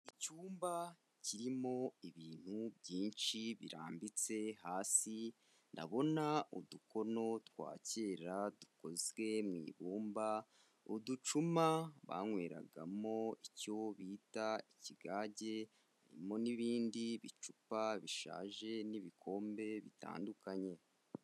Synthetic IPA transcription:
icuːmba | ciɾimo̞iβiːn̥hubɟiːnʃiβiɾa̰ːmbit͡se̞haːsi | na̰βo̞nauduko̞no̞twa̰ːce̞ːɾaduko̞zɡe̞mŋḭːβuːmba | udut͡ʃumaβa̰ŋwe̞ːɾa̰ɡa̰mo̞ico̞βiːtaiciɡaːɟe̞ | ha̰ɾḭmo̞niβiːndiβit͡ʃupaβiʃa̰ːʒe̞niβikʰo̞ːmbe̞βita̰ːndukaɲe̞

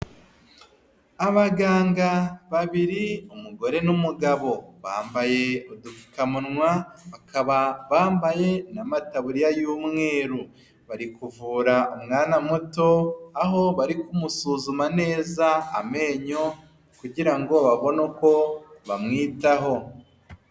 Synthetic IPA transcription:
aβaɡaːŋɡaβaβiɾiumuɡo̞ɾe̞numuɡaβo̞βa̰ːmbaje̞odufukamunŋwaβakʰaβaβaːmbaje̞namataβuɾijajuːmŋe̞ːɾu | βaɾikuvuːɾaʔumŋaːnamuto̞aɦo̞βaɾikumusuːzumane̞ːzaa̰me̞ːɲo̞ | kuɟiɾaŋɡo̞βaβo̞noko̞βa̰mŋiːtaɦo̞

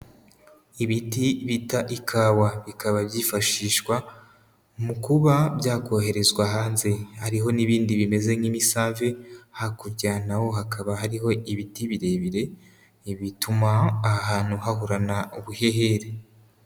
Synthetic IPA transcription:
iβitiβitaʔikʰaːwaβikaβaβjiːfaʃiːʃkwa | mukuβabjaːkʰo̞ːɦe̞ɾe̞zwaɦaːnze̞haɾiɦo̞niβiːndiβime̞ze̞ŋimisaːvehakuɾɟaːnawo̞ɦakaβahaɾiɦo̞iβitiβiɾe̞βiɾe̞ | iβitumaːhaːn̥huhahuɾanauβuhe̞ɦe̞ɾe

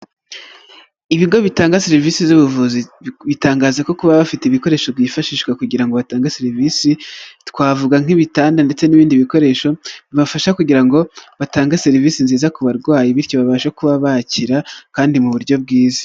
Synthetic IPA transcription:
iβiɡo̞βitaːŋɡaseɾiviːsizuβuvuziβitaːŋɡaːzako̞kuβaβafiteβiko̞ɾe̞ːʃo̞bɟiːfaʃiːʃɡwakuɟiɾaŋɡo̞βataːŋɡaseɾiviːsitkwaːvuɡaŋ̥iβitaːndande̞t͡se̞niβiːndiβiko̞ɾe̞ːʃo̞βiβafaʃakuɟiɾaŋɡo̞βataːŋɡaseɾiviːsinziːzakuβaɾɡwaːjiβiɾcoβaβaːʃakuβaβaciɾakaːndimuβuɾɟo̞b̚ɡiːzḁ

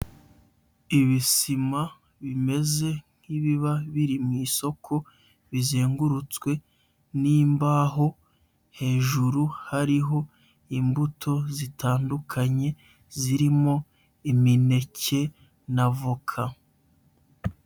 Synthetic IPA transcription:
iβisima | βime̞ze̞ŋ̥hiβiβaβiɾimwiːso̞kʰo̞ | βize̞ːŋɡuɾut͡swe̞ | niːmbaːɦo̞ | he̞ːʒuɾuhaɾiɦo̞ | imbutʰo̞zitaːndukʰaɲe̞ | ziɾimo̞ | imine̞ce̞ | navukʰa

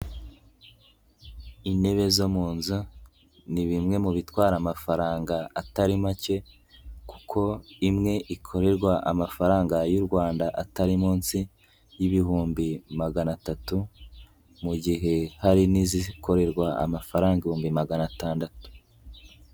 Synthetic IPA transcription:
ine̞βe̞zo̞muːnzu | niβimŋe̞muβitwaːɾamafaɾaːŋɡaːtaɾimace̞ | ku̥kʰo̞imŋe̞ʔikʰo̞ɾe̞ɾɡwaʔamafaɾaːŋɡajuɾɡwaːndaʔataɾimuːnsi | jiβihuːmbimaɡanatatu | muɟiɦe̞haɾinizikʰo̞ɾe̞ɾɡwaa̰mafaɾaːŋɡaihuːmbimaɡanataːndatu̥

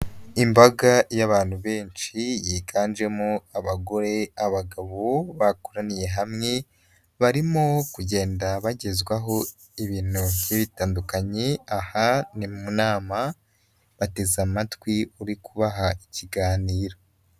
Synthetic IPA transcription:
imbaɡajaβaːn̥huβe̞ːnt͡ʃijiːɡaːnd͡ʒe̞moaβaɡo̞ɾe̞aβaɡaβo̞βakoɾanije̞ɦamŋe̞ | βaɾimokuɟe̞ːndaβaɟe̞zɡwaɦo̞ | iβiːn̥hujiβitaːndukaɲe̞ahanimumunaːma | βate̞zamatwiuɾikuβaɦaiciɡaːniːɾo

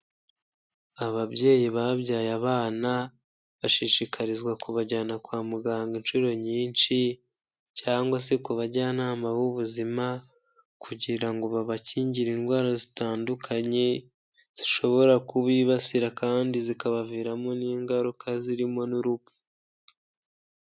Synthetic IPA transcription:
aβaβje̞ːjiβaβɟaːjaβaːna | βaʃiʃikʰaɾizɡwakuβaɟanakwaːmuɡaːŋɡinʃuɾo̞ɲiːnʃi | caːŋɡwasekuβaɟanaːmaβuβuzima | kʰuɟiɾaŋɡoβaβaciːɲɟiɾiːnɡwaːɾazitaːndukʰaɲe̞ | z̥iʃo̞βo̞ɾakuβiːβasiɾakaːndizikaβaviɾamoniːŋɡaɾukʰaziɾimo̞nuɾupfu̥

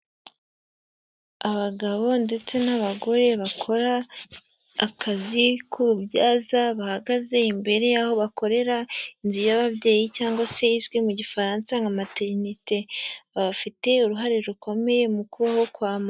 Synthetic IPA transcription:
aβaɡaβo̞nde̞t͡se̞naβaɡo̞ɾe̞βakʰo̞ɾaː | kʰazikʰuɾubɟaːzaβahaɡaze̞imbe̞ɾe̞jaho̞βako̞ɾe̞ɾainzujaβaβje̞ːjicaːŋɡwase̞izɡwemuɟifaɾaːnsaŋɡamate̞ɾnite̞βaβafite̞uɾuɦaɾeɾuko̞me̞je̞mukuβaho̞kwaːma

